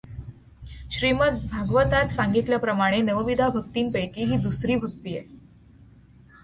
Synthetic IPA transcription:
ɕɾimət̪̚bʱaɡʋət̪at̪saŋɡit̪ljapɾəmaɽ̃enəʋəʋid̪ʱabʱək̚t̪iːnpəjkiːɦiːd̪usɾiːbʱək̚t̪iːje

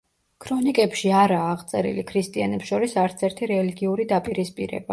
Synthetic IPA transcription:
kʰɾɔnikʼɛpʃiaɾaːʁt̪sʼɛɾḭlikʰɾist̪ʼianɛpsʃɔɾisaɾt̪sʰɛɾt̪ʰiɾɛliɡiuɾid̪apʼiɾispʼiɾɛ̰ba

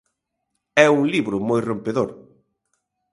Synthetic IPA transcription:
ɛuŋliβɾʊmojrompeðoɾ

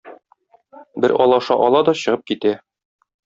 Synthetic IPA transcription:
bɘɾɒlˠɑʃɑʔɒlˠɑd̪ɒɕɤ̆ʁɤp̚kit̪æ

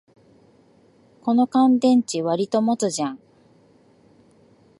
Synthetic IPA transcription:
ko̞no̞kãnd̪ẽ̞ɲt͡ɕiβaɾʲit̪o̞mo̞t͡sɨʑãŋ

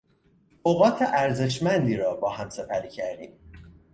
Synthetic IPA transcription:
oɣɒːt̪ʰeʔæɾze̞ʃmænd̪iːɾɒːbɒːhæmse̞pʰæɾiːcʰæɾd̪iːm

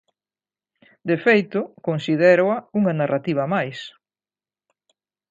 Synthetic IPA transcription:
d̪efejt̪ʊkonsiðɛɾoɐuŋɐnarat̪iβ̞ɐmajs

